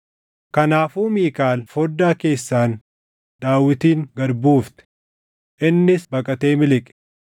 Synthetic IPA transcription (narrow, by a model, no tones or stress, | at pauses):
kɐnaːfuːmiːkaːlfɔd̪ːaːke̞ːsːaːn | d̪aːwːɪt̪iːŋɡɐɾbuːft̪ɛ̥ | ʔɪnːɪsbɐkʼɐt̪e̞ːmɪlɪkʼ